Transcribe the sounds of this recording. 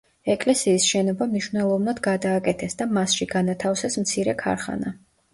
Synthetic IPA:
ɛkʼlɛsiːsʃɛnɔbamniʃvnɛlˠɔvnad̪ɡad̪aːkʼɛt̪ʰɛsd̪amasʃiɡanat̪ʰafsɛsmt̪sʰiɾɛkʰa̰ɾχa̰na

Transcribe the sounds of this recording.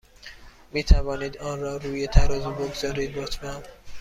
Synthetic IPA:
miːt̪ʰævɒːniːd̪ɒːnɾɒːɾuːjet̪ʰæɾɒːzuboɡzɒːɾiːd̪̚bot̪ʰmæm

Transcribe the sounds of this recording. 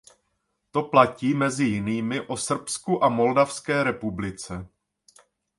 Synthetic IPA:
t̪o̞placiːmɛzɪjɪniːmɪʔo̞sr̩pskuʔamo̞ldafskɛːɾɛpublɪt͡sɛ

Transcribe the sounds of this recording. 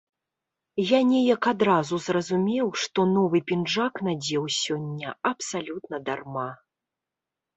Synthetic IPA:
janʲɛjɐkad̪ɾazuzrɐzumʲɛwʂt̪ɔnɔvɨpʲinʐaknad͡zʲɛwsʲɔnʲːɐɐpsalʲut̪nɐd̪arma

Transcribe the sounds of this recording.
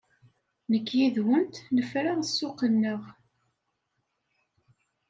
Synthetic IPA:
nəkːjiðwənt̪nəfɾaʁəsːʊqənːəʁ

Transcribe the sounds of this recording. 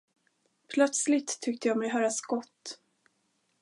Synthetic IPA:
pʰlœt̪slɪt̪ʰːʏk̚t̪əjɑːmɛjɦœːɾasɡɔt̪ː

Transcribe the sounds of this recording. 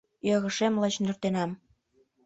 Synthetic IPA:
jɤɣɤ̆ʃemlɤt͡ɕnø̆rt̪enɑm

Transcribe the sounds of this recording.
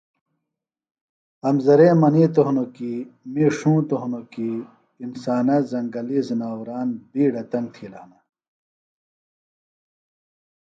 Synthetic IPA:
ɐmzɐɾeːmɐniːt̪oɦnokimiʂũːt̪oɦnokiː | nsaːnɐzɐŋɡɐlizinaːwɾaːnbiːɽɐt̪ɐnt̪ʰila̰ːnɐ

